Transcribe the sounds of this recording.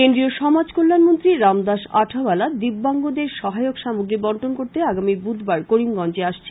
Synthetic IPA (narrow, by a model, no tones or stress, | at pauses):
end̪ɾioʃɔmad͡ʑkolːanmont̪ɾiɾamd̪aʃaʈʰabalad̪ibːaŋɡod̪eɾʃɔɦaeokʃamuɡɾibɔɳʈonkoɾt̪eaɡamibud̪ʱbaɾkoɽimɡɔnt͡ɕeaʃt͡ɕʰe̥